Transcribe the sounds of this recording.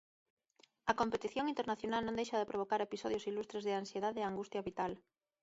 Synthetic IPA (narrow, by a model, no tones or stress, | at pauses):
ɐkompet̪iθjoŋint̪eɾnaθjonalnõŋd̪ejʃɐðɪpɾʔoβ̞okaɾepisɔðjosilust̪ɾezðɪansjeðaðeːaŋɡust̪jɐβit̪al